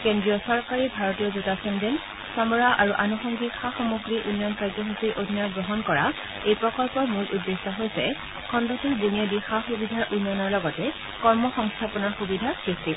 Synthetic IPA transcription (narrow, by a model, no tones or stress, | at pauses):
kɛndɹiɔsɔɹkaɹiɹbʱaɹɔtijɔzutasɔndɛn | samɔɹaʔaɹuʔanuxɔŋɡixaxɔmuɡɹiʔunːɔnkajzɔɦusiɹʔodʱinajɡɹɔɦɔnkɔɹa | ejpɹɔkɔlpɔɹmulʔuddːesɔɦojsɛ | kʰɔndɔtuɹdunijadixaxubidʱaɹʔunːɔnɔɹlɔɡɔtɛ | kɔɹmɔxɔŋstʰapɔnaxubidʱasɹisti